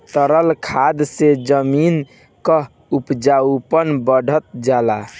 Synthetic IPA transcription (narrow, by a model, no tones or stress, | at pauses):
t̪əɾəlkʰad̪sed͡ʒəmin | kə | upd͡ʒaupənbəɖʱət̪̚d͡ʒala